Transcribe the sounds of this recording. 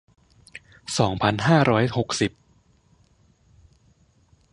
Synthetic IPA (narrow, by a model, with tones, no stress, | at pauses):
sɔː˩˦ŋpʰa˧nɦaː˥˩ɾʔɔː˦˥jho˨˩k̚si˨˩p̚